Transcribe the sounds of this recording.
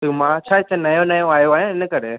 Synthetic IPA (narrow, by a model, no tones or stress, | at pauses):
t̪umãːt͡ʃʰat̪ɐnɐjõnɐjõaːjoaːjãɪnəkɐɾḛ